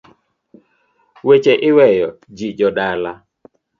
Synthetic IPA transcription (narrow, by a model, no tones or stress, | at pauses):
wet͡ʃeʔɪwɛjɔ | d͡ʒid͡ʒɔɗala